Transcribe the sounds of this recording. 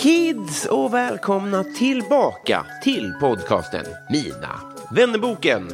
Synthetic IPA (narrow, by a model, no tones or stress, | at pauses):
kʰɪd̪sɔvɛːlkʰɔmnat̪ʰɪlbɑːka̰t̪ʰɪlpʰɔd̪kʰɑ̰ːst̪ə̰nmiːna̰ | vɛnːəbuːkən